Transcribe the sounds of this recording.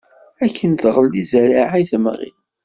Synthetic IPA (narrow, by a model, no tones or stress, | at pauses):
ækʰːənt̪ʁəld̪izæɾiʕajθəmʁḭ